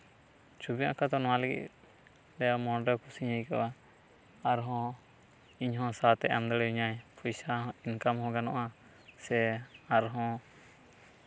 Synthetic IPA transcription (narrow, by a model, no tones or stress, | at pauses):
t͡ʃubija̰ʔkat̪ɔnɔwãlɛɡḭt̪̚ | lɛjamɔnɾɛkʰusiɲəjka̰wa | aɾɦɔ̃ | iɲɦɔ̃sat̪ɛʔand̪əɽjuɲajpʰujsaɦinkamhɔ̃ɡanɔ̰ʔa | sɛaɾɦɔ̃